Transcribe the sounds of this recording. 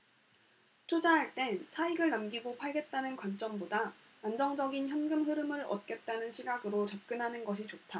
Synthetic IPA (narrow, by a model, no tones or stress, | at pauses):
t͡ɕʰod͡ʑaɦaɭt͈e̞t͡ɕʰaiɡɯɭnamɡiɡopʰaɭɡe̞t̚t͈anɯnkwant͡ɕ͈ʌmboda | and͡ʑʌŋd͡ʑʌɡinçjʌnɡɯmɦɯɾɯmɯɾʌ̰t̚k͈e̞t̚t͈anɯnɕʰiɡaɡɯɾot͡ɕʌp̚k͈ɯnɦanɯnɡʌɕʰit͡ɕotʰa